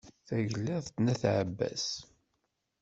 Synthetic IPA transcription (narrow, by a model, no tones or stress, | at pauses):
θæʝəlːɪðˤt̪næθʕəbːæ̰s